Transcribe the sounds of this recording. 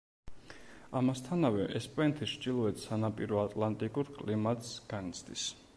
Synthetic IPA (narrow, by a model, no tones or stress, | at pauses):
amast̪ʰanavɛʔɛspʼɛnt̪ʰiʃd͡ʒilˠɔɛt̪ʰsanapʼiɾɔat̪ʼlˠant̪ʼikʼuɾkʼlimat̪ʼsɡ̥anit̪sʰd̪ḭs